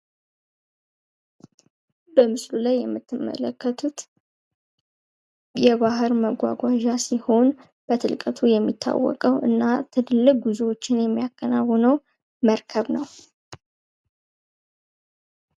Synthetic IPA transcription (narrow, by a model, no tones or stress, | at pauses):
bəmɨslulajːɛmːɨt̪ːɨmːə̰ləkːət̪ʰut̪ | jɛβahɨɾməɡʷa̰ɡʷaʒasiho̞n | b̥ət̪ʰɨ̰lkʼət̪ʰujɛmːit̪ʰːa̰wːɔ̰kʼəwʔɨ̰nːat̪ʰɨd̪ɨlːɨk̚ɡuzuwo̞t͡ʃːɪnjɛmːijakːənawːənəw | məɾkʰəβnəw